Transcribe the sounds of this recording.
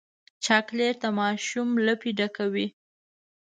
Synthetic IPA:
t͡ʃɑkleɾt̪amɑʃumləpiɖakawi

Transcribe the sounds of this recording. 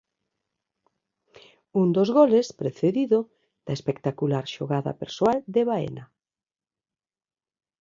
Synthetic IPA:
und̪ozɣolespɾeθeðiðo | ð̥ɐespekt̪akulaɾʃoɣaða̰peɾsoald̪eβaḛna

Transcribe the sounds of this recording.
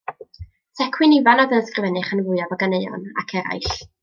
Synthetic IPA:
tʰɛkʰwɪnivanɔvɛnskrɪvɛnɨχənvʊɨɔvaɡanejɔ̰na̰kʰɛɾa̰jɬ

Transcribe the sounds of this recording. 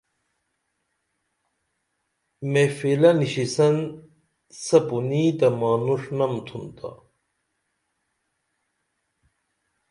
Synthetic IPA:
mefelɐniɕisɐn | sɐpunid̪ɐmaːnuʂnɐmt̪ʰunt̪a̰

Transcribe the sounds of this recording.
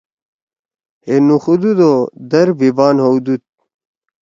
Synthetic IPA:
enuxud̪ud̪od̪ɐɾbʱibaːnɦowd̪ut̪̚

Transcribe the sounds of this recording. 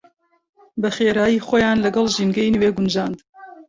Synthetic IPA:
bɐχeːɾaːjiːxoːjaːnlɐɡɐlˠʒiːnɡɛjnɨweːɡund͡ʒaːnd̪

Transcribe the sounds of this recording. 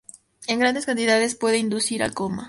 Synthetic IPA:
eŋɡɾand̪e̞skant̪iðað̞espwe̞ðeind̪usiɾa̰koma̰

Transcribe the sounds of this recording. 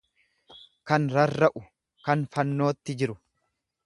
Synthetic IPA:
kɐnɾɐrːɐʔʊ | kɐnfɐnːo̞ːt̪ːɪd͡ʒɪɾʊ

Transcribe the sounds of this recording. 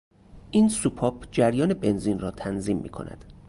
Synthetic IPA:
ʔiːnsupʰɒːpʰd͡ʒæɾjɒːne̞be̞nziːnrɒːt̪ʰænziːmːḭːkʰo̞̰nʔæ̰d̪̥

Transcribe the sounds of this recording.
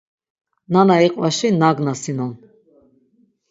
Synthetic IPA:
nanaiqʼvaʃinaɡnasinɔn

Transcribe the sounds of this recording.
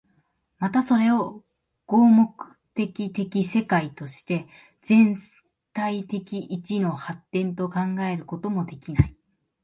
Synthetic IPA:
mat̪aso̞ɾe̞o̞ | ɡ̥o̞ːmo̞kɯ̟̥t̪e̞kʲit̪e̞kʲise̞kait̪o̞ɕi̥t̪e̞ | d͡zẽ̞n | t̪ait̪e̞kʲiʔit͡ɕino̞hat̪ːẽ̞nt̪o̞kãŋɡae̞ɾɯ̟ko̞t̪o̞mo̞d̪e̞kʲinai

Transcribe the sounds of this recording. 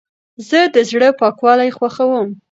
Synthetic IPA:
zəd̪əzɽəpɑkwɑlajxwaxawəm

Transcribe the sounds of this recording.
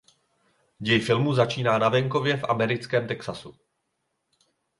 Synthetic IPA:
ɟɛjfɪlmuzat͡ʃiːnaːnavɛŋko̞vjɛfʔamɛɾɪt͡skɛːmt̪ɛksasu

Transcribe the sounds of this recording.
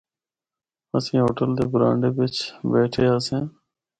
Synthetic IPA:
əsĩːɦoːʈəld̪eːbɾã̰ːɳɖeːʋɪt͡ʃbɛːʈʰeːaːsẽː

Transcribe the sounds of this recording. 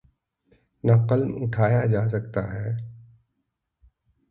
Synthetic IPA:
nɐqəlmʊʈʰaːjad͡ʒaːs̬ɐk̚t̪aɦɛː

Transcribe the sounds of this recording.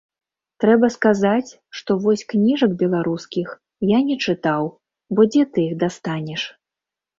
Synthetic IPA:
t̪ɾɛbɐskazat͡sʲ | ʂt̪ɔvɔsʲknʲiʐɐkbʲɛlˠaɾuskʲix | janʲɛt͡ʂɨt̪aw | bɔd͡zʲɛt̪ɨiɣd̪ast̪anʲɛʂ

